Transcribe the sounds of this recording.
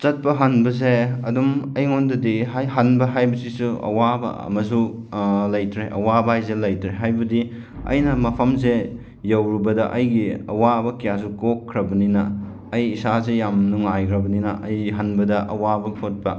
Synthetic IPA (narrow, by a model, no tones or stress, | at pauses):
t͡ʃɐt̚pɐɦɐnbɐs̬eɐdumɐjŋondɐdiɦajɦɐnbɐɦajbɐsisuɐ̰wabɐ̰ɐ̰mɐs̬u | lɐjtʰɾeʔɐ̰wabɐajzelɐjtʰɾeɦajbɐdi | ɐ̰jnɐmɐpʰɐmse | jɐwɾubɐdɐʔɐjɡiɐ̰wabɐkijas̬ukokʰːɾɐbɐninɐː | jisasejamnuŋajkʰɾɐbɐninɐʔɐjɦɐnbɐdɐʔɐ̰wabɐpʰot̚pɐ